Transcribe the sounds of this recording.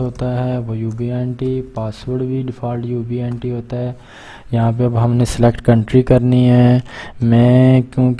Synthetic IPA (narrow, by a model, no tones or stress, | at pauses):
ɦoːt̪aɦɛʋojuːbieːnʈipaːsʋəɾɽʈbʱiɖɪpʰaːlʈjuːbieːɳʈiɦoːt̪aɦɛ | jɐɦãp̬eɐbɦɐmnesɪlekʈkɐ̃ɳʈɾikɐɾniɦɛːmɛ̃ːkjõːk